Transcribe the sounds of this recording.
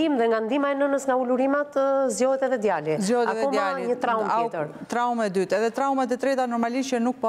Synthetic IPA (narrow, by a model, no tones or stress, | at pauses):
imðɛŋɡand̪imaɛnənəsŋɡauluɾimat̪əzjɔət̪ɛðɛd̪jalizjɔɛtaɛðɛɔmaliɲət̪ɾaumɛt̪əɾt̪ɾaumɛd̪yt̪ɛðɛt̪ɾaumɛt̪ɛt̪ɾɛt̪anɔɾmaliʃt͡ʃənuk̚pɔ